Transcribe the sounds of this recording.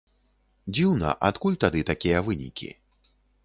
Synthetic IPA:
d͡zʲiwnɐ̰ʔat̪kulʲt̪ad̪ɨt̪akʲijɐvɨnʲḭkʲḭ

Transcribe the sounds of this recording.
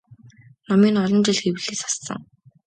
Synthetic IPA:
nɔmiːnɔɮɞ̆nt͡ɕɪ̆ɮxewɘ̆ɮeːsḁsːə̰̆ŋ

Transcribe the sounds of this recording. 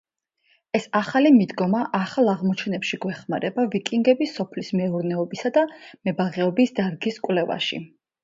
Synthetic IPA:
ɛsaχalimid̪ɡɔmaʔaχalˠaʁmɔt͡ʃʰɛnɛpʃiɡwɛχmaɾɛbavikʼiŋɡɛbisːɔpʰlismɛuɾnɛɔbisad̪amɛbaʁɛɔbisd̪aɾɡiskʼwlɛva̰ʃḭ

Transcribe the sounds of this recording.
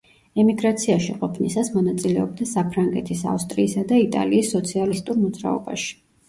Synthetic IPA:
ɛmiɡɾat̪sʰiaʃiqʼɔpʰnisasmɔnat̪sʼilɛɔb̚d̪asapʰɾaŋɡɛt̪ʰisa̰fst̪ʼɾiːsad̪ait̪ʼa̰liːsːɔt̪sʰialist̪ʼuɾmɔd̪zɾa̰ɔ̰ba̰ʃi̥

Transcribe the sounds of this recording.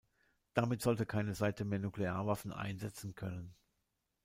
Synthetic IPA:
d̥amɪtz̥ɔltəkʰaɪnəzaɪtəmeːɐnukleaːɐvafn̩ʔa̰ɪnzɛt͡sn̩kʰœnən

